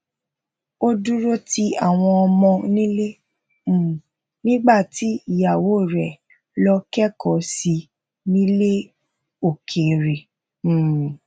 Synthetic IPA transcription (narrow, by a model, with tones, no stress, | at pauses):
o˦du˦ɾo˦ti˦a˦˨w̃ɔ̃˧ɔ˧mɔ̃˧nĩ˦lẽ˦˨ | nĩ˦ɡ͡ba˦˨ti˨˦i˦˨ja˨wo˨˦˨ɾɛ˨ | lɔ˧kɛ˦kɔ˨˦si˧ | nĩ˦le˦ | o˨kʰe˨ɾẽ˨